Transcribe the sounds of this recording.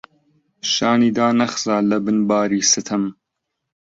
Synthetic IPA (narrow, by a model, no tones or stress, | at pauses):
ʃaːniːd̪aːnɐxzaːlɐbɨnbaːɾiːsɨt̪ʰɐm